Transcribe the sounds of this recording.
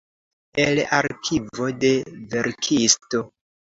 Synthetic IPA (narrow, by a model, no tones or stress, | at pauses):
elaɾkʰivo̞de̞ve̞ɾkʰisto̞